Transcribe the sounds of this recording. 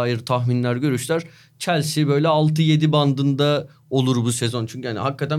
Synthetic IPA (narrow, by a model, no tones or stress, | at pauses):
aːjiɾt̪ʰaxminlʲæɾɟø̞ɾyʃlʲæɾ̥ | t͡ʃʰælʲsibø̞jlʲɛalˠt̪ʰɯje̞d̪iband̪ɯnd̪a | o̞lˠuɾbuse̞zo̞nt͡ʃʰyɲcyhaniɦakːat̪ʰæ